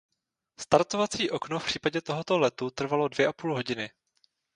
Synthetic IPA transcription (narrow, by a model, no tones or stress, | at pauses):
st̪aɾt̪o̞vat͡siːʔo̞knofpr̝̥iːpaɟɛt̪o̞ɦo̞t̪o̞lɛt̪ut̪r̩valo̞dvjɛʔapuːlɦo̞ɟɪnɪ